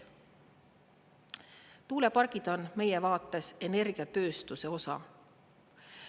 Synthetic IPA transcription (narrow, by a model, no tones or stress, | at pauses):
t̪uːle̞pɑrɡ̥id̪̥o̞nme̞jevɑːt̪ːˑe̞se̞ne̞rɡ̥iɑt̪ø̞ːst̪use̞o̞sɑ̰